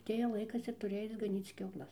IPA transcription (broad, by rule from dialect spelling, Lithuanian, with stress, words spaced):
ɐˈtʲeːjɛ ˈlˠɐɪkɐs ɪr tʊˈrʲɪ ˈɐɪt͡s ɡɐˈnʲiːt͡s kʲɛʊˈlˠɐs